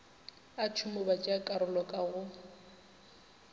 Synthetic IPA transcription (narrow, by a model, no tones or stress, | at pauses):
at͡ʃʰʊmɔbat͡ʃʼakʼaɾʊlɔkʼaɣʊ